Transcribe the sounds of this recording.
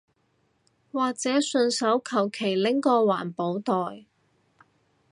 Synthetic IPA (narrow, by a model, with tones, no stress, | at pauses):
waː˨k̚t͡sɛː˨˥sɵ˧nsɐ˨˥wkʰɐ˨˩wkʰe˨˩jlɪ˨˥ŋkɔː˧wa̰ː˨˩npo˨˥wt̪ɔː˨j